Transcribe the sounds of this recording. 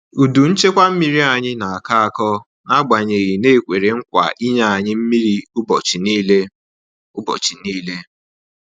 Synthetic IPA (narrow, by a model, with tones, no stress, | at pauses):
u˨du˨n̩˦t͡ʃe˦kʷa˦m̩˦mi˦ɾi˦a˨ɲɪ˦na˨a˨ka˦a˨kɔ˦ | na˦ɡ͡ba˨ɲe˨ɣi˨ne˦˨kʷe˨ɾe˨ŋ̩˦kʷa̰˨ʔi˦ɲa˦a˨ɲɪ˦m̩˦mi˦ɾi˦ʊ˦bɔ˨t͡ʃi˨niː˦le˦ | ʊ˦bɔ̰˨t͡ʃi˨niː˦le˦